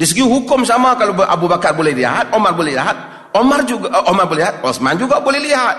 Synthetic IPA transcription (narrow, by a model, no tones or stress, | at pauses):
disəɡiuɦukʊmsamakaloʔa̰bubakarbolɛhlḭɦat̪̚omarbolɛliɦat̪̚ | omard͡ʒuɡaʔomarboliɦat̪̚ɔsmand͡ʒuɡabolɛhliɦat̪̚